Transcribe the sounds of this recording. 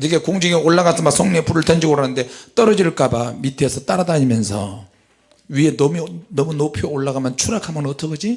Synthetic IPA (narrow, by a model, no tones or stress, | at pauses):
tʰɯkekoŋd͡ʑiɡeoɭːaɣasʰʌmasʰoŋɲepuɾɯɭtʌnd͡ʑiɡoɾanɯnde̞t͈ʌɾʌd͡ʑiɭk͈abamitʰesʰʌt͈aɾadaɲimjʌnsʰʌ̰ | ɥienʌmnʌmunopʰjooɭːaɡamjant͡ɕʰuɾakʰamʌnnʌt͈ʰʌɡʌd͡ʑi